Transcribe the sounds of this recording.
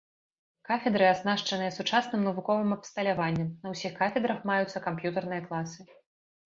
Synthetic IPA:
kafʲɛd̪ɾɨaznaʂt͡ʂɐnɨjɐsut͡ʂasnɨmnɐvukɔvɨmɐpst̪ɐlʲavanʲːɛmnɐwsʲixkafʲɛd̪ɾɐxmajut̪sːɐkampjut̪ɐrnɨjɐklˠasɨ

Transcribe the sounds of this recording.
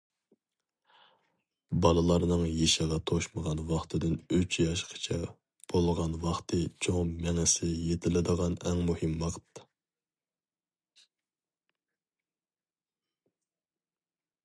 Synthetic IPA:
bɑlˠɨlˠɑɾnɨŋjeʃɪʁɑt̪ʰoʃməʁɑnwɑχt̪ʰɨd̪ɪnyt͡ʃʰjɑʃqʰə̥t͡ʃʰɛ | b̥olˠʁɑnwɑχt̪ʰɨt͡ʃʰoŋmɛŋɪsɪjet̪ʰɪlɪd̪əʁɑnɛŋmuhɪmwɑqʰt̪ː

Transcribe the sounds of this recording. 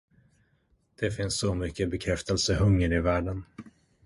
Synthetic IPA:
d̪̥ɛfɪnsːɔmʏkːəbɛkʰɾɛft̪əlsəɦɵŋːəɾɪvæːɖən

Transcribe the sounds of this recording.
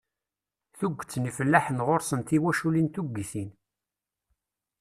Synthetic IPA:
θuɡʷːt͡sːnifəlːaħənʁoɾsənt̪iwæʃulint̪uɡiθin

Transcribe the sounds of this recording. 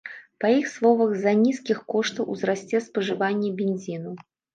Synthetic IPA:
pɐjixslˠɔvɐɣzɐnʲiskʲixkɔʂt̪ɐwʔuzɾasʲt͡sʲɛspɐʐɨvanʲːɛbʲenʲzʲinu

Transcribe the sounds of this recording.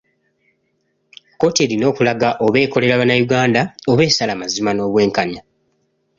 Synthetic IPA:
ko̞te̞ːlino̞ːkulaɡaʔo̞βe̞ːko̞le̞ɾaβanajuɡaːndao̞βe̞ːsalamazimano̞ːβwe̞ːŋkaɲa

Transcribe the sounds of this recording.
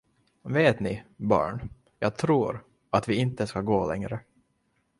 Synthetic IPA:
veːt̪nɪbɑ̰ːɳ | jɑːɡ̚t̪ʰɾuːɾ | at̪vɪɪnt̪əskaɡoːlɛŋɾə

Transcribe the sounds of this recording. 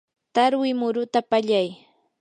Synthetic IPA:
t̪aɾwɪmʊɾʊt̪apaʎaj

